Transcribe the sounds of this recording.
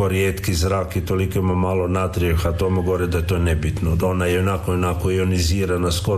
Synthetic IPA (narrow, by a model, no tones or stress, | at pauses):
oɾjeːt̪kizɾaːkit̪olikoimamalˠonat̪ɾiuxat̪omuɡooɾed̪aet̪onebit̪noonajɛonakoonakoioniziːɾanasko